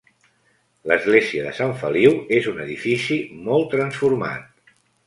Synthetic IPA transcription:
ləzɣleziəðəsaɱfəliwezunəðifisimɔlˠt̪ɾənsfuɾma̰t̪̚

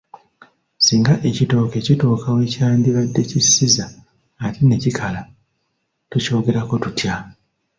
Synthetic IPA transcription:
siːŋɡaʔe̞cito̞ːke̞cito̞ːkʰawe̞caːndiβadːe̞cisːizaː | tine̞cikʰala | tuco̞ːɡe̞ɾako̞tutja

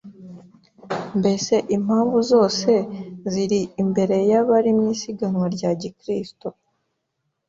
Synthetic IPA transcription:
mbe̞se̞ʔim̥haːɱvuzo̞ːse̞ziɾiːmbe̞ɾe̞jaβaɾimɲiːsiɡanŋwaɾɟaːɟikɾisto

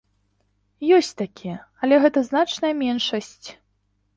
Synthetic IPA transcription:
jɔsʲt͡sʲt̪akʲijɐɐlʲɛɣɛt̪ɐznat͡ʂnɐjɐmʲɛnʂɐsʲt͡sʲ

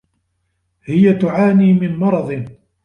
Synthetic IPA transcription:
hɪjat̪ʊʕaːniːmɪnmɑɾˤɑd̪ˤɨn

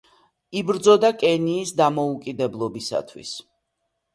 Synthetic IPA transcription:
ibɾd̪zɔd̪akʼɛniːsd̪amɔukʼid̪ɛblˠɔbisa̰t̪ʰwḭs

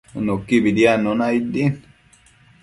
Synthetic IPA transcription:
nokːibid̪ianːonaid̪ːin

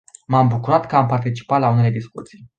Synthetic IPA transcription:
mambukuɾat̪kəampart̪it͡ʃi̥pat̪laune̞le̞d̪iskut̪sij

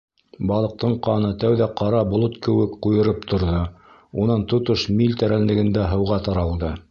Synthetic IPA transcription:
bɑlˠɤ̆q̚t̪ɤɴqɑnɤt̪æwðæqɑɾɑbŏlˠot̪kɘ̆wɘkqujɤ̆ɾɤp̚t̪ʰŏɾðo | unɑnt̪ŏt̪oʃmilt̪æɾænlɘ̆ɡɘ̆nd̪æɦɤ̆wʁɑt̪ɑɾɑlˠd̪ɤ

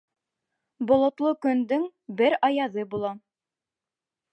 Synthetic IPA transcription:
bŏlˠŏt̪lˠɤkɵ̆nd̪ɵŋbɘɾɑjɑðɤbulˠɑ

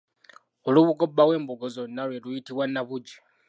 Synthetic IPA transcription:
oluβuɡo̞bːawe̞ːmbuɡozo̞nːalwelujitiβwanːaβuɟi

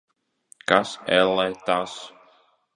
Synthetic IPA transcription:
kasɛlɛt̪as

